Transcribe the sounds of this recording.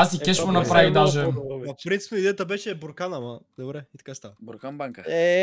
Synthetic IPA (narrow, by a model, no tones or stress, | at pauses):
asikɛʃkonɐpɾavid̪aʒɛɐfpɾint̪si̥pɛid̪ɛjət̪əbɛʃɛboɾkanɐmɐd̪obɾɛit̪ɐ̥kast̪aɾɛ